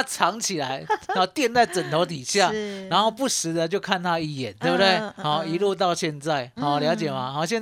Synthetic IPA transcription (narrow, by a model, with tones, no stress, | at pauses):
a˥ʈ͡ʂʰɑ˧˦ŋt͡ɕʰi˨˩la˨˦ɪ˥˧˥t̪jɛ˥˧nt͡sa˥˩ɪt͡sə˨˩nt̪ʰo˨˧˥ʊt̪̬i˨˩ɕja˥˨˩na˧˦nxo˥˧pu˥˩ʂ̩˨˦d̪ə˨t͡ɕjo˥˧ʊkʰa˥˧nt̪ʰa˥i˥˧˩jɛ̰˨˦nt̪we˥˧˩bə˧d̪we˥˩ɪhɔ˨˩i˧˦lu˥˧t̪̬ɑ˥˧ʊɕjɛ˥˧nt͡sa˥˩ɪɔ˨˩ljɑ˧˥ʊt͡ɕjɛ˨˩ma˦hɔ˨˩ɕjɛ˥˧n